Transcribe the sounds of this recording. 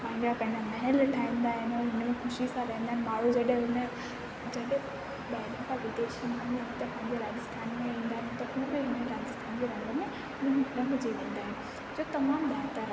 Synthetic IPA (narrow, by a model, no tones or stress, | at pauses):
pãɦɪ̃ɲd͡ʑapɐ̃ɦɪ̃ɲamɐɦɪlʈʰaːĩːn̆d̪aːɦɪnɦɪnəmẽxʊʃisãɾɐɦĩnd̪aɦɪnmaːɽ̤ud͡ʑɐɗɦẽɦʊnə̆ | d͡ʑɐɗɦẽ | ɓɐɦɪlõkãʋɪt̪eːʃənãnɦʊñt̪ɐpãːɦɪ̃ɲd͡ʑeɾaːd͡ʑɪst̪ʰaːnmẽĩːnd̪aːɦɪnt̪ɐɦũːbɪɦɪnmẽɾaːd͡ʑɪst̪ʰaːnd͡ʑeɾɐɦnd̪əmẽ | nnɐɦʊd͡ʑeʋẽːnd̪aːɦɪnɪ̆ | d͡ʑoːt̪ɐmaːmɗ̪aːɾt̪aɾ